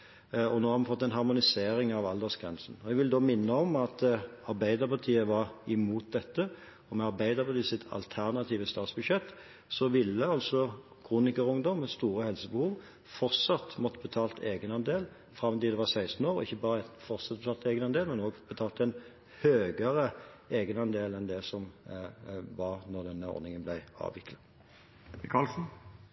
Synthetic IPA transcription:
ɔnoːhɑɾmɑnfɔt̪ːɛnɦɑʁmʊnɪseːɾɪŋɑʋɑld̪əsɡʁɛ̰nsn̩ɔɛɡʋɪld̪omɪnːəɔmɑt̪ɑɾbæɪd̪əpɑʁt̪ʰiːəʋɑʁɪmuːt̪̚d̪ɛt̪ːə | ɔmɛɑɾbæɪd̪əpʰɑt̪iːsɪt̪ʰɑ̰lt̪ʰæʁnɑt̪ʰiːʋəst̪ɑːt̪sbʉd̪ʃɛt̪ː | sɔʋɪlːəɑlsɔ | kʰʁuːnɪkəʁʊŋd̪ɔmːɛst̪uːɾəhɛlsəbəhuːʋ | fɔʁtsɑt̪mɔt̪ːəbət̪ʰɑːlt̪ʰeːɡənɑnd̪eːl | fʁɑmt̪ɪld̪ɛʋɑʁsæɪst̪n̩oːʁɪçːəbɑːʁəɛnfɔʁsɑt̪̚bət̪ʰɑːlt̪eːɡənɑnd̪eːlmɛnoːɡb̥ət̪ʰɑːlt̪æɪn | høːɡəʁəeːɡənɑnd̪eːlɛnd̪ɛsɔm | ʋɑʁnɔʁd̪ɛnːəɔ̰ɾnɪŋənblæɪɑ̰ːʋʋɪkʰlɑ | kʰɑlsn̩

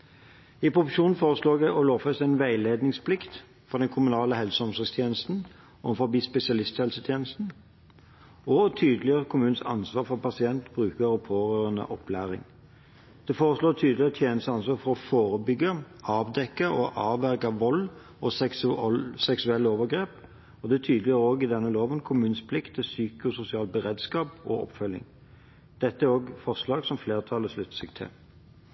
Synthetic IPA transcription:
ipʰʁʊfʊʂuːnn̩foːʁəsloːɡ̪æʔɔloːfɛst̪æɪnʋæɪleːd̪nɪŋspʰlɪkt̪ | fɔʁd̪ɛnkʰʊmʉnɑːləhɛlsəɔmsɔːst̪ʰjeːnəst̪n̩ | ʔɔfɔɾbiːspɛsɪɑlɪst̪hɛlsət̪ʰjeːnəst̪n̩ | ɔt̪ʰyːd̪lɪəʁəkʰʊmʉːnn̩sɑ̰nsʋɑːʁfɔʁpɑsɪɛnt̪bɾʉːkəɾɔpʰoːʁøːʁənə̰ʔɔplæ̰ːʁɪ̰ŋ | d̪̥ɛfoːʁəsloːt̪ʰyːd̪lɪəʁət̪ʰjeːnəst̪əɑnsʋɑːfɔɾɔfoːʁəbʏɡə | ɑːʋd̪ɛkːəʔɔʔɑːʋæʁkɑʋɔl | ɔsɛ | sɛksʉɛlːəoːʋəʁɡɾeːp | ɔd̪ɛt̪ʰyːd̪lɪjʁoːɡɪd̪ɛnːəloːʋənkʰʊmʉːnspʰlɪkt̪ʰːɪlsyːkəɔsʊsɪɑːlbəʁeːd̪skɑːpɔ̰ʔɔ̰pfœlːɪ̰ŋ | d̪̥ɛt̪ːəæɾoːɡfɔʁslɑːɡsɔmfleːʁt̪ʰɑlːəslʉt̪ːsɪkt̪ʰɛ̰

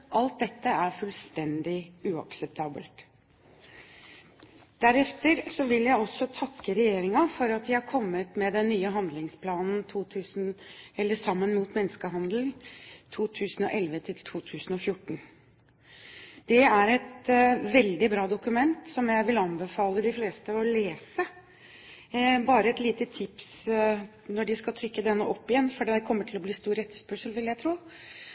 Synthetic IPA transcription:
ʔɑlt̪̚d̪ɛt̪ːəæɾfʉlst̪ɛnd̪ɪʉːɑ̰ksɛp̚t̪ʰɑːbə̰lt̪ | d̪̥æɾɛft̪əɾsɔʋɪljæɪɔsːɔt̪ʰɑkːəɾɛjeːɾɪŋɑfɔɾɑt̪d̪ʋɪhɑɾkʰɔmːət̪mɛd̪ɛnːyːəɦɑnd̪lɪŋspʰlɑːnn̩t̪ʰuːt̪ʰʉːsn̩ɛlːəsɑmːənmuːt̪mɛnːskəɦɑnd̪lŋt̪ʰuːt̪ʰʉːsn̩ɔʔɛlʋət̪ʰɪlt̪ʰuːt̪ʰʉːsn̩ɔfjʊʈːɳ̩ | d̪̥ɛæɾɛt̪ʋɛld̪ɪbɾɑːd̪ʊkʉmɛnt̪sɔmjæɪʋɪlɑnbəfɑːləd̪ɪfleːst̪əɔleːsə | bɑːɾəɛt̪liːt̪ət̪ʰɪps | nɔɖɪskɑt̪ʰɾʏkːəd̪ɛnːəʔɔpːɪjɛnːfɔɖɛkʰɔmːəʈʰɪlɔbliːst̪uːɾɛt̪ːəspœʂəlʋɪljæɪt̪ʰɾuː

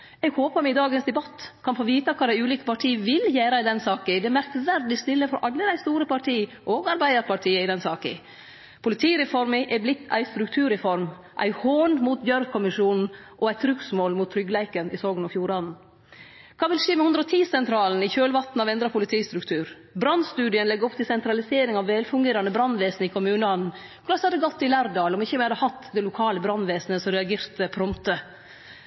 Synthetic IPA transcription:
ɛɡhoːpəɾmɪd̪ɑːɡənsd̪ɛbɑt̪ːkʰɑnfoːʋiːt̪ɑkʰɑːd̪æɪʉːliːkə̥pɑʈʰiːəʋɪljæːɾɑɪd̪ɛnsɑːkɪd̪ɛmæɾk̚t̪əʋæɾɖ̪ɪst̪ɪlːəfɾɔ̰ʔɑlːəd̪æɪst̪uːɾəpɑʈʰiː | ʔoːɡɑɾbæɪd̪əɾpʰɑʈʰiːəɪd̪ɛnsɑːkɪ̰ | pʰʊlɪt̪ʰiːɾɛfɔɾmɪʔɛblɪt̪ʰːæ̰ɪst̪ɾʉk̚t̪ʰʉːɾɛfɔɾm | ʔæ̰ɪhoːnmuːt̪̚bjœɾkʰɔmɪʂuːnn̩ʔɔæɪt̪ʰɾʉksmoːlmuːt̪ʰːɾʏɡlæɪkənɪsoːɡənɑfjuːɾɑd̪n̩ | kʰɑːʋɪlʂeːmɛhʉnd̪ɾəɔt̪ʰiːsɛnt̪ʰɾɑːln̩ɪçøːlʋɑt̪n̩ɑʋɛnd̪ɾɑpʰʊlɪt̪ʰiːst̪ɾʉkt̪ʰʉːɾ | bɾɑnːst̪ʉːd̪ɪənlɛɡɾɔpt̪ɪlsɛnt̪ɾɑlɪseːɾɪŋɑʋʋɛlfʉŋɡeːɾɑnəbɾɑnːʋeːsnəɪkʰʊmʉːnəɑnn̩ | kʰɾɑshɑd̪ːəɡɔt̪ːɪlæːɾd̪ɑːlɔmɪçːəmɪhɑd̪əhɑt̪ːd̪ɛlʊkʰɑːləbɾɑnʋeːsnəsɔɾɛɑɡeːɾt̪əpʰɾɔmt̪ə

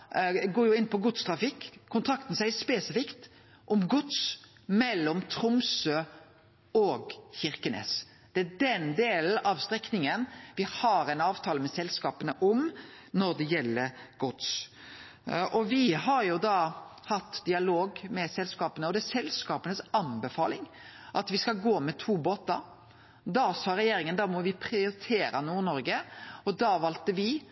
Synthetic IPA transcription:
ɡoːɾjʊɪnːpʰɔɡʊt̪st̪ʰɾɑfɪkːʰʊnt̪ʰɾɑkt̪n̩sæɪspeːsɪfɪkt̪ | ʔɔmɡʊt̪s | mɛlːɔmt̪ʰɾʊmsøː | ɔɡçɪɾkənḛːs | d̪̥ɛæd̪ɛnd̪eːl̩ʔɑʋst̪ɾɛknɪŋənʋɪhɑɾɛɪnɑːʋt̪ʰɑːləmɛsɛlskɑːpənəʔʊm | nɔɾd̪ɛjɛlːəɾɡ̥ʊt̪s | ʔɔʋɪɦɑɾjʊd̪ɑhɑt̪ːd̪ɪɑloːɡmɛsɛlskɑːpənəɔd̪ɛæsɛlskɑːpənəsɑnbɛfɑ̰ːlɪŋ | ʔɑt̪ʋɪskɑlɡoːmɛt̪ʰuːboːt̪ːɑ | d̪ɑsɑːɾɛjeːɾɪŋənd̪ɑmɔʋɪpʰɾɪʊɾɪt̪ʰeːɾɑnuːnɔɾɡəɔd̪ɑʋɑːlt̪əʋɪ

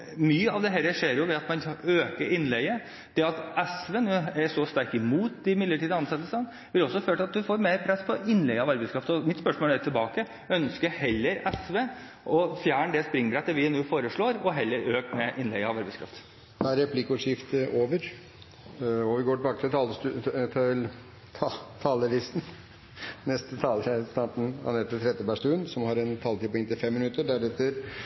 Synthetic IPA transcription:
myːəɑʋd̪ɛɦɛləʂeːɾjʊʋɛɑt̪mɑnøːkəɾʔɪnːlɛɡə | d̪̥ɛɑt̪ɛsʋenuːæʂɔst̪æɾkɪmuːt̪ɪmɪd̪ləʈiːd̪əɑnsɑt̪ːəlsən | ʋɪlɔsːɔføːʈ̪ɑt̪̚d̪ʉfoːɾmeɾpʰɾɛspʰɔɪnːlɛɡəɑʋɑɾbæɪskʰɾɑft̪ɔmɪt̪spœʂmoːlɛt̪ʰɪlbɑːkə | œnskəɾhɛlːəɾɛsʋe | ʔɔfjæːɳəɖ̪ɛspɾɪŋbɾɛt̪ːəʋɪnuːfoːɾəʂɭoːɾɔɦɛlːəɾøːkmɛʔɪnlɛɡɑʋɑɾbɛɪskʰɾɑ̰ft̪ | d̪ɛæɾɾɛpʰlɪkːəʊʂɪft̪əʔoːʋəɾ | ɔʋɪɡoːʈɪbɑːkət̪ʰɪlt̪ʰɑt̪ʰlʰ | t̪ʰɑːləlɪst̪n | nɛst̪ət̪ʰɑlst̪ɑʈn̩ɑ̰nɛt̪ːət̪ʰɾɛd̪əpæʂt̪ʉːnsɔmhɑɾɛnt̪ʰɑlt̪iːpɔɛŋt̪ɪlfɛmːɪnʉt̪ːəɖæɾɛt̪ːəɾ

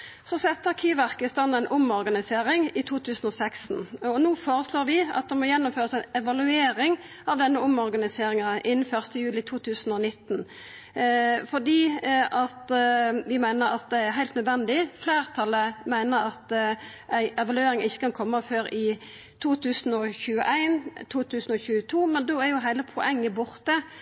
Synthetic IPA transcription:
sɔsɛt̪ːəɑkʰiːʋæʁkəɪst̪ɑnæɪnʔʊmɔɾɡɑnɪseːɾɪŋɪt̪ʰuːt̪ʰʉːsn̩ɔsɛksn̩ɔnuːfoːɾəsloːɾʋɪʔɑ̰t̪̚d̪ɛmɔjɛnːʊmføːɾəsæɪnɛʋɑlʉeːɾɪŋ | ɑʋd̪ɛnːəʊmɔʁɡɑnɪseːɾɪŋɑʔɪnːn̩fœʁst̪əjʉːlɪt̪ʰuːt̪ʰʉːsn̩ɔnɪt̪ːn | fɔd̪iːʔɑt̪ʋɪmæɪnəɾɑt̪̚d̪ɛæɾɦæɪlt̪nœd̪ʋɛnd̪ɪfleːʁt̪ʰɑləmæɪnəɾɑt̪ | ʔæɪʔɛʋɑlʉeːɾɪŋɪçːə̥kʰɑnkʰɔmːəføːɾɪ | t̪ʰuːt̪ʰʉːsn̩ɔçʉːə̰ʔæɪnt̪ʰuːt̪ʰʉːsn̩ɔçʉːət̪ʰuːmɛnd̪oːæɾjʊɦæɪləpʰɔʔɛŋːəbʊʁt̪ə

